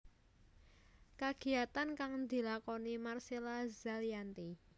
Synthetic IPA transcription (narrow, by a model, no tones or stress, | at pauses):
kaɡ̥i̤at̪ankaŋnd̪i̤lakɔnimarselazaljant̪i